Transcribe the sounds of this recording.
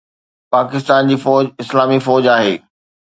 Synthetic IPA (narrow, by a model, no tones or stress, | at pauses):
paːkɪst̪aːnd͡ʑiːfɔːd͡ʑɪslaːmifɔːd͡ʑaːɦeː